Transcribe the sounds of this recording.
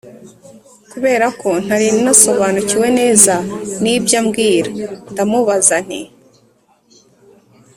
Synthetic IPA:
kuβe̞ːɾakʰo̞n̥haɾinnaso̞βanuciwe̞ne̞ːzanibjamɡiːɾandamuβazan̥ḭ

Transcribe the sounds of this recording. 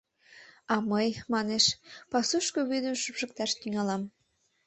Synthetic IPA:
ɑməjmɑneʃpɑsuʃkoβyd̪əmʃəpʃə̆k̚t̪ɑʃt̪yŋɑlɑm

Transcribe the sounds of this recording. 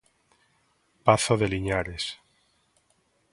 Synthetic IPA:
paθoðeliɲaɾes

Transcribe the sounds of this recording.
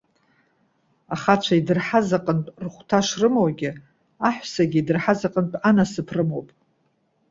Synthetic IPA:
aχat͡ʃʷʰaidɨrħazaqʼəntʼrχʷtʰaʂrɨmowɡʲɪ | aħʷᶣsaɡʲidɨrħazaqʼəntʼanasɨpʰrɨmo̞wpʼ

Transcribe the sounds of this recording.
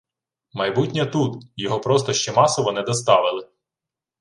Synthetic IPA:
mɐjbutʲnʲɐt̪ut̪jɔɦɔpɾɔst̪ɔʃt͡ʃɛmɑsɔʋɔnɛd̪ɔst̪ɑʋɪlˠɪ

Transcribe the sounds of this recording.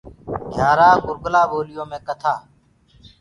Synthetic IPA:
ɡʱjaːɾaːɡʊɾɡlaːboːlɪjõːmẽːkət̪ʰaː

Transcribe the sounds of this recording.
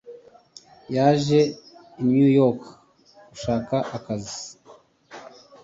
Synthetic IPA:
jaːʒe̞ | injujok | kuʃaːkaʔakazi

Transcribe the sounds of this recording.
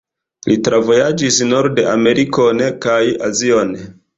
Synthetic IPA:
litɾavo̞jad͡ʒisnoɾdeʔame̞ɾʔiko̞nekaja̰zio̞n

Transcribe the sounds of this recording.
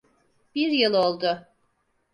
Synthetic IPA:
b̥iɾjɯlˠolˠd̪ʊ

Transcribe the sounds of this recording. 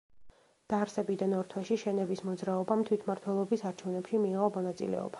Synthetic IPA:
d̪̥aɾsɛbid̪anɔɾt̪ʰwɛʃiʃɛnɛbismɔd̪zɾaɔbamt̪ʰwit̪ʰmaɾt̪ʰwɛlˠɔbisaɾt͡ʃʰɛvnɛpʃimiːʁɔmɔnat̪sʼḭlɛ̰ɔ̰b̥ḁ

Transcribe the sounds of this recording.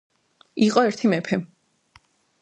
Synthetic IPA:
iqʼɔɛɾt̪ʰimɛpʰɛ

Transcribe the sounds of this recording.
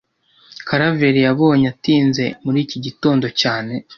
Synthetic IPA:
kʰaɾaveɾijaβo̞ːɲatiːnze̞muɾiːciɟito̞ːndo̞caːne̞

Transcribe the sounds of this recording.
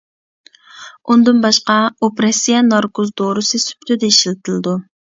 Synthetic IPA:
und̪ɨnbɑʃqɑopɾesijɛnɑɾkʰozd̪oɾɨsɨsy̥pt̪ʰɪd̪ɛiʃilɪt̪ʰɪlˠɨd̪u

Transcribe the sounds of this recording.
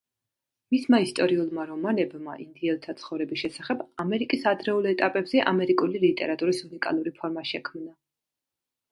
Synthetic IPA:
mismaist̪ʼɔɾiulˠmaɾɔmanɛbma̰ʔind̪iɛlˠt̪ʰat̪sʰχɔvɾɛbisʃɛsaχɛbamɛɾikʼisad̪ɾɛulˠɛt̪ʼapʼɛbzɛʔamɛɾikʼulilit̪ʼɛ̰ɾat̪ʼuɾisunikʼa̰lˠuɾipʰɔɾmaʃɛkʰmna

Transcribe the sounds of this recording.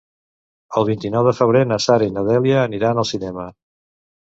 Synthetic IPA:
əlˠβint̪inɔwðəfəβ̞ɾenəsaɾəinəðɛljəːniɾanəlˠsinɛmə

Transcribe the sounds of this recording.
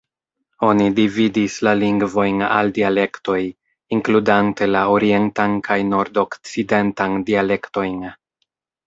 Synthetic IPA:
o̞nidividislaliŋɡvo̞jna̰ldiale̞kto̞j | iŋkludante̞laoɾie̞ntankʰajno̞ɾdo̞kt͡side̞ntandiale̞kto̞jn

